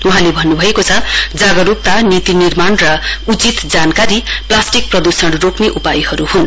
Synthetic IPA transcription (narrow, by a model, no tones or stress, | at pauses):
uɦãlebʱʌnːubʱʌekot͡sʰʌd͡zaɡʌɾup̚t̪anit̪inirmanrʌut͡sit̪d͡zankaɾiplasʈik̚prʌd̪usʌɽrokneʔupajhʌɾuhun